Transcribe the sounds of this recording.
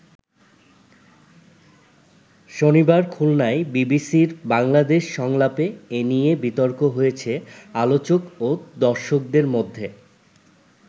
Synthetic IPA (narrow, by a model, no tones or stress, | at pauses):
ʃonibaɾkʰulnaebibisiɾbaŋlad̪eʃʃɔŋlapeenijebit̪oɾkoɦojet͡ɕʰealot͡ɕokod̪ɔɾʃok̚d̪eɾmod̪ʱːe